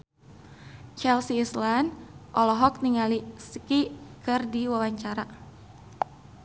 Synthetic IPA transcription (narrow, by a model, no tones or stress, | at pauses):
t͡ʃɛlsiːslandʔɔlɔɦɔk̚niŋaliskikɨrdiwawaɲt͡ʃaɾa